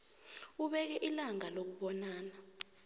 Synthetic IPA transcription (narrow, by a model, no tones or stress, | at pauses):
uɓɛk̬ɛʔilaŋalok̬uɓɔnaːna